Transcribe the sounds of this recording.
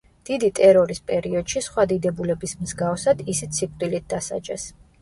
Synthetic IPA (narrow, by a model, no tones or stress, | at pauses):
d̪̥id̪it̪ʼɛɾɔɾispʼɛɾiɔd̪̥ʃisχwad̪id̪ɛbulɛbismzɡafsad̪isit̪sʰikʼd̪ʼilit̪̚ʰd̪asa̰d͡ʒʼɛ̰s